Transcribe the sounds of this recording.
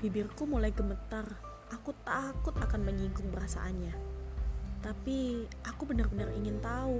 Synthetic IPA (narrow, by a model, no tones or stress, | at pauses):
b̥ibɪrkumulajɡəmət̪ar | ʔakut̪akʊt̪akanməɲiŋkʊŋbəɾasa̰ʔanɲa | t̪apiʔakubənərbənəriŋɪnt̪au